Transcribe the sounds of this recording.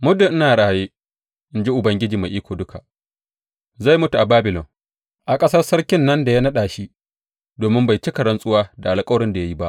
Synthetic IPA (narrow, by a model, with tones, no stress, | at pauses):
mʊ˦dʊ˨ʔɪ˦naː˨ɽaː˨jeː˦ | ʔɪ˦nd͡ʒi˦ʔʊ˨bɐ˦ŋɡʲɪ˦d͡ʒiː˨ma˨jʔiː˦kʷoː˨dʊ˦kʰa˨ʔ | za˦˨jmʊ˦tu˨ʔa˨baː˦bɪ˨lɔ˨n | ʔa˨kʼɐ˦sɐ˦rsɐ˦ɾkʲɪ˦nːɐ˦nda˨ja˦nɐ˦ɗaː˨ʃi˦ | doː˨mɪ˦mba˨jt͡ʃi˦kɐ˨ɽɐ˦nsʼʊ˦waː˦da˨ʔa˨lkʼɐ˦wɾɪ˦nda˨ja˦ji˦ba˦ʔ